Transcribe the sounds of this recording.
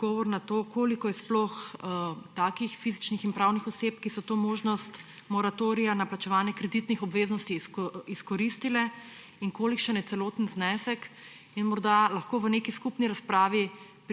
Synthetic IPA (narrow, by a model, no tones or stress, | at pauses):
ɡɔːʋɔɾnat̪oːkoːlikɔjɛsplox | t̪aːkixfizit͡ʃnixinpɾawnixɔseːpkisɔt̪oːmoːʒnɔst̪ | mɔɾat̪oːɾijanaplat͡ʃɛʋaːnjɛkɾɛd̪it̪nixɔbʋeːznɔst̪isiskɔɾist̪ilɛ | iŋkoːlikʃənjɛt̪sɛloːt̪ənznɛsɛk | inmɔɾd̪alɐxkoːʋənekiskupniɾaspɾaːʋi | p